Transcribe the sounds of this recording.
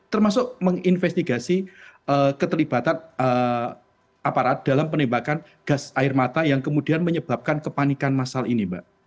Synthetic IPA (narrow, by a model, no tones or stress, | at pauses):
t̪ərmasʊk̚məŋinfɛst̪iɡasiʔəkət̪əlib̥at̪anə | ʔapaɾat̪̚d̥alampənimbakan | ɡ̥asaɪrmat̪ajaŋkəmudianməɲəb̥ap̚kankəpanikanmasalinibaʔ